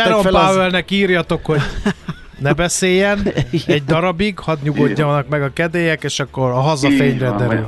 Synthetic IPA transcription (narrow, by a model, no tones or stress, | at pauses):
ɛɾompaːɛlnɛkiːrjɒt̪okho̞ɟ | nɛbɛseːjɛnɛɟ̚d̪ɒɾɒbiɡhɒd̪ɲuɡo̞ɟːɒɒnɒkmɛɡɒkɛd̪eːjɛkeːʃɒkːo̞ɾɒɦɒzɒfeːɲrɛd̪ɛɾyl